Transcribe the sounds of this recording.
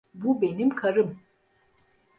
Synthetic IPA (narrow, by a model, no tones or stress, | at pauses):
bube̞nimkʰaɾɯm